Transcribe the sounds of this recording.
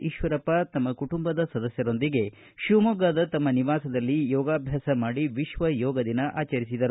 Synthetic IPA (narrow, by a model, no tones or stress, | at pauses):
iʃʋɐɾɐpːat̪ɐmːɐkuʈumbɐd̪ɐsɐd̪ɐsjɐɾo̞nd̪iɡe̞ | ʃumoɡaːd̪ɐt̪ɐmːɐniʋaːsɐd̪ɐlːijɔːɡaːbʱjaːsɐmaːɽiʋiʃʋɐjɔːɡɐd̪inɐʔaːt͡ʃɐɾis̬id̪ɐɾu